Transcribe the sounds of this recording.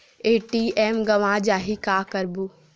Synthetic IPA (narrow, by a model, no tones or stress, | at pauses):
eːʈiɛːmɡɐʋãd͡ʒaːɦikaːkɐɾbu